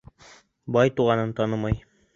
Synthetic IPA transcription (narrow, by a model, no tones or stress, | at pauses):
bɑjt̪uʁɑnɤnt̪ɑnɤmɑj